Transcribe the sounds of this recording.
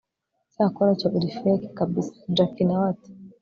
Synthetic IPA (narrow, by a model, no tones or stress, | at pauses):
saakɔnat͡ʃaɓiɾifiɛki̥kaɓisḁd͡ʒakinawatu̥